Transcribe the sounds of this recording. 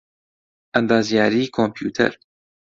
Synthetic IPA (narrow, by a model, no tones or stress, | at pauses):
ʔɛnd̪aːzijaːɾiːkʰompʰjṵːt̪ʰɛ̰ɾ